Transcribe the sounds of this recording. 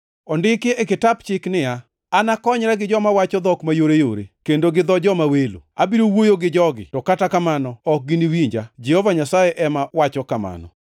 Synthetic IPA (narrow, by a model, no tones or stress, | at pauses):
ɔndɪkɪekɪtapt͡ʃɪknɪja | anakɔɲɾaɡɪd͡ʒɔmawat͡ʃɔd̪ɔkmajoɾejo̰ɾḛkendoɡɪd̪ɔd͡ʒɔmawelo̰a̰biɾowojoɡɪd͡ʒɔɡɪ̰tɔkatakamanɔɔk̚ɡɪniwiɲd͡ʒad͡ʒɛhovaɲasajeʔɛmawat͡ʃɔkama̰nɔ̰